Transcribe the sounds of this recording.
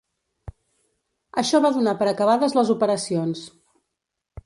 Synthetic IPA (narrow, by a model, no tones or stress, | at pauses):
əʃɔβaðunapəɾəkəβaðəzləzupəɾəsions